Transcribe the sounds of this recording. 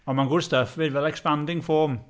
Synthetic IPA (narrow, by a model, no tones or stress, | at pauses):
ɔnmanɡʊdstəfvɪdvɛlˠɛkspandɪŋfɔːm